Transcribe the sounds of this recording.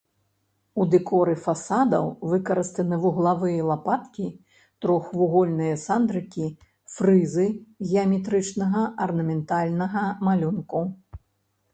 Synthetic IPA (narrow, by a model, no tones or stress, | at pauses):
ud̪ɨkɔɾɨfasad̪ɐwvɨkɐɾɨst̪ɨnɨvuɣlˠavɨjɐlˠapat̪kʲi | t̪ɾɔxvuɣɔlʲnɨjɐsand̪ɾɨkʲi | fɾɨzɨɣʲɛɐmʲɛt̪ɾɨt͡ʂnɐɣɐʔɐrnɐmʲɛnt̪alʲnɐɣɐmalʲunku